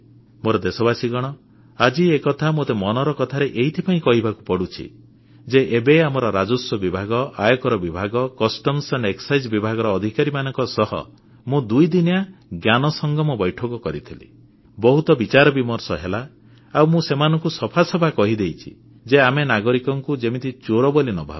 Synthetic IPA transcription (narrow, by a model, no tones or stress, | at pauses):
moɾɔd̪esɔbasiɡɔɽ̃ɔ | ad͡ʒiekɔt̪ʰamot̪emɔnɔɾɔkɔt̪ʰaɾeʔeɦit̪ʰipaĩkɔɦibʱaku̥pɔɽut͡ʃʰḭ | d͡ʒeʔebeamɔɾɔɾad͡ʒusɔbibʱaɡɔajɔkɔɾɔbibʱaɡɔkɔsʈɔmseɳɖeksajd͡ʒbibʱaɡɔɾɔːd̪ʱikaɾimanɔŋkɔsɔɦɔ̰ | mũd̪ujd̪injaɡjanɔsɔŋɡɔmɔbɔjʈʰɔkɔkɔɾit̪ʰilḭ | bɔɦut̪ɔbit͡ʃaɾɔbimɔɾsɔɦela | awmũsemanɔŋkusɔpʰasɔbʱakɔɦid̪ejt͡ʃʰḭ | d͡ʒeamenaɡɔɾikɔŋkud͡ʒemit̪it͡ʃoɾɔbɔlinɔbʱa̰b